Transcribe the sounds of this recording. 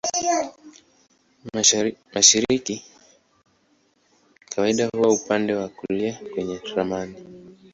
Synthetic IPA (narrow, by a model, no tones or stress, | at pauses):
maʃiɾiki | kʰawaiɗahuwaupandɛwakuliakwɛɲɛɾamani